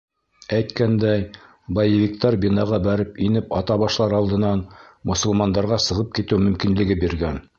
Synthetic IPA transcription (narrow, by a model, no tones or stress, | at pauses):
æjt̪kænd̪æj | bɑjɘvʲikt̪ɑɾbinɑʁɑbæɾɘpinɘpɑt̪ɑβɑʃlˠɑɾɑlˠd̪ɤ̆nɑnmŏsŏlˠmɑnd̪ɑɾʁɑsɤ̆ʁɤp̚kit̪ɘwmɵ̆mkinlɘ̆ɡɘbiɾɡæn